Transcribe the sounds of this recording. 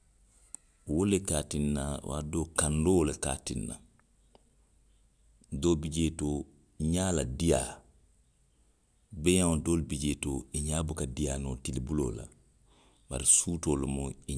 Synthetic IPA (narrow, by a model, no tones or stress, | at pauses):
wolekaːtinːawʔa̰doːkãndoleka̰ːtinːa̰ | doːbid͡ʒeto | iɲaːladija | beɲãdoːlbid͡ʒeːtoiɲaːbukadijaːnotilibulo̰ːla̰ | ba̰ɾisuːtoːlomoi